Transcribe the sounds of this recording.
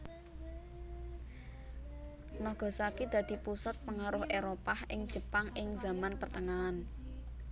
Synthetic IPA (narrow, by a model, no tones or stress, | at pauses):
nɔhɡ̥ɔ̤sakid̪̥ä̤d̪̥i̤pusat̪̚pəŋaɾʊhʔeɾopahɪŋ̥ʒ̥ə̤paŋɪŋza̤manpərt̪əŋaːn